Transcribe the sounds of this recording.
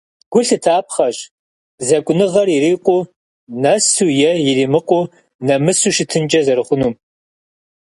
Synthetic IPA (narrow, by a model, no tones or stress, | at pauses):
ɡ̥ʷʊɬɨtʰaːp̚χɐɕ | zɐkʷʼʊnɨʁɐriɾiːqʷʼʊ | nɐsujɛjɪriːmɨqʷʼʊ | nɐmɨsuːʃɪtʰɨnd͡ʒʼɐzɐɾɨχʷʊnuːm